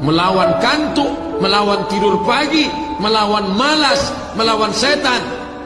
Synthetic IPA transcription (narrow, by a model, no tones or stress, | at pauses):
məlawankant̪uməlawant̪iɾurpaɡiməlawanmalas | məlawansɛt̪an